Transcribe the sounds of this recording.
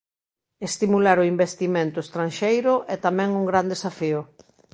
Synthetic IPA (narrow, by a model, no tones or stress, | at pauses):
est̪imulaɾʊimbest̪imẽnt̪ʊest̪ɾanʃejɾʊʔɛt̪amɛ̃ŋuŋɡɾand̪esafiʊ